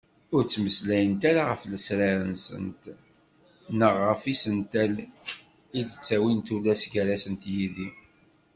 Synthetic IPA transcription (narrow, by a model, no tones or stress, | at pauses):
ʊɾt͡sːməslæjənt̪aɾaʁəfləsɾaɾənsə̰nt̪ | nəʁːəfisənt̪æl | id̪t͡sːæwint̪ulːæsɡəɾæsənt̪jiði